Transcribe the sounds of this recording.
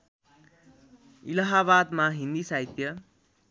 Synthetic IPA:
ilaɦaβad̪maɦind̪isajt̪jʌ

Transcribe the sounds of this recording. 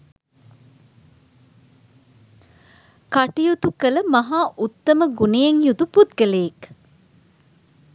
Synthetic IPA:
kɐʈijut̪ukələmɐɦaːʔut̪ːɐməɡunejeŋjud̪uput̪ɡəleːk

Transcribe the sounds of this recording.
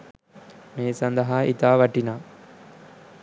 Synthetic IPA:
meːsɐnd̪ɐɦaːit̪aːʋɐʈinaː

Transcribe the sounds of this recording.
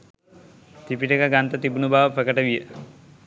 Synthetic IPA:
t̪ipiʈəkaɡant̪ɐt̪ibunubaːʋəpɾəkəʈəʋijə

